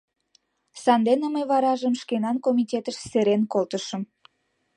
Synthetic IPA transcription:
sɑnd̪eneməjβɑɾɑʒəmʃkenɑnkomʲitʲet̪əʃseɾenkolt̪əʃə̆m

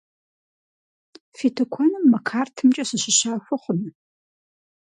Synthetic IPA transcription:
fiːtʰɐkʷʰɐnɨmːɐkʰaːrtʰɨmt͡ʃʼɐɕɨɕɪɕaːxʷɔχʷʊnɨ

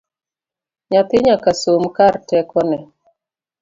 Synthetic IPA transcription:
ɲat̪ɪɲakasomkartɛkɔnɛ

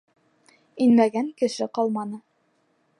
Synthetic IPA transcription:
inmæɡæŋkɘ̆ʃɘqɑlˠmɑnɤ

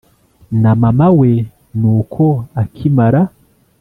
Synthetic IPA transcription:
namamawe | nuːkʰoakʰimaɾa

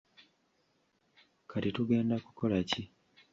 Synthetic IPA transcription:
kʰatituɡe̞ːndaku̥ko̞laci

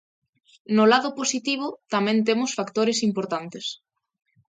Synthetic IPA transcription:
nʊlaðʊposit̪iβ̞ʊt̪amɛ̃nt̪̬emʊsfakt̪oɾesimpoɾt̪ant̪es

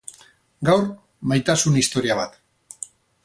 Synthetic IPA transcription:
ɡawɾ | majt̪asunist̪o̞ɾiaβat̪

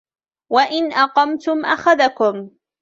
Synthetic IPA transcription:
waʔɪnʔɑqɑmt̪ʊmʔaxaðakʊm

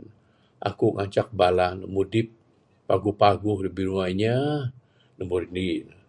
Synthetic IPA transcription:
ʔa̰kuŋaɲt͡ʃak̚balanə̰ʔmudɪp̚ː | aɡupaɡuhdəbiɾuajɲa | nəmuɾnin

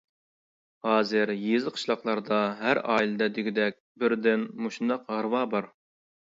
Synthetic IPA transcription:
hɑːzɪɾjezɨqʰə̥ʃlˠɑqlˠɑɾd̪ɑɦæɾɑːilˠɨd̪ɛd̪yɡʲid̪ɛk̚ʲbɪɾd̪ɪnmuʃund̪ɑqhɑɾwɑːbɑɾ

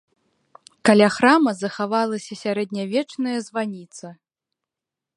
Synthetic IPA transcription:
kalʲaxɾamɐzɐxavalˠɐsʲɐsʲaɾɛd̪nʲavʲɛt͡ʂnɐjɐzvanʲit̪sɐ

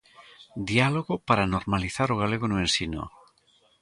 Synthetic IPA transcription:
d̪ialoɣopaɾanoɾmaliθaɾoɣ̞aleɣ̞onuẽnsino̰

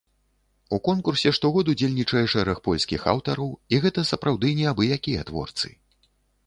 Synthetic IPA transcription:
ukɔnkursʲɛʂt̪ɔɣɔd̪ud͡zʲelʲnʲit͡ʂɐjɛʂɛɾɐxpɔlʲskʲixa̰wt̪ɐɾɐwiɣɛt̪ɐsɐpɾawd̪ɨnʲɛabɨjakʲijɐt̪vɔ̰rt̪sɨ̰

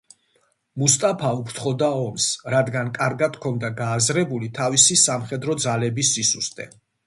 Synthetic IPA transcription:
must̪ʼapʰaupʰɾt̪ʰχɔd̪aɔmsɾad̪ɡankʼaɾɡad̪̥kʰɔnd̪aɡaːzɾɛbulit̪ʰavisisamχɛd̪ɾɔd̪zalɛbisːisust̪ʼɛ̰

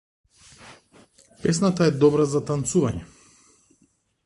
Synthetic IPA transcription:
pɛs̬nat̪aɛd̪ɔbɾazat̪ant̪suvaɲɛ̰

